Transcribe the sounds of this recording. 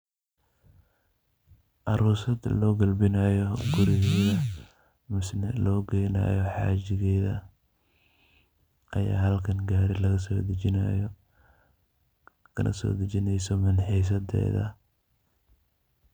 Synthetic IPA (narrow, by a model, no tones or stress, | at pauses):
ʔɐɾuːsɐd̪lɔːɡɐlbɪnɐjɔɡʊɾɪɣðɐ | mɪsnɐlɔːɡɛjnɐ̰ːjɔħɑ̰ːt͡ʃɪɣɛːðɐ̰ | ʔɐja̰ːɦɐlkʰɐnɡaːɾɪlɐɣɐsɔːd̪ɐt͡ʃɪnɐjɔ | kʰɐnʔɐ̰sɔ̰ːd̪ɐt͡ʃɪnɛjsɔmɐnħiːs̬ɐd̪ɛ̰ːðɐ̰